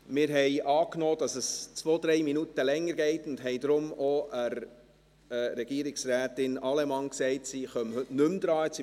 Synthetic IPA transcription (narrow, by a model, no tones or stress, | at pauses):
mɪːɾɦɛɪʔɑːknoːd̥ɑsəst͡sʋoːd̥̪ɾɛɪminutəlɛŋːəɾɡɛɪtʊndɦɛjd̪ɾʊmɔʔəɾ | ɾɛɡ̥iəɾɪksɾæːtɪnɑlɛmɑŋksɛɪtsiχœmhɵtnɵmd̥̪ɾɑːɛsi